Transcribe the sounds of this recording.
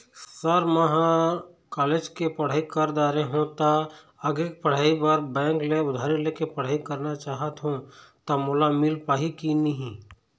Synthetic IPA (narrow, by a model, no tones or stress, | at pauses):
səɾməɦã | kaːleːd͡ʒkepɐɽ̤aːikəɾd̪aːɾeɦũt̪a | ɐɡek̚pɐɽ̤aːibəɾbɛ̃ːŋkleʊd̪ʱaːɾileːkepɐɽ̤aːikɐɾnat͡ʃaːɦət̪ɦũt̪amʊlamɪlpaːɦikiniɦĩ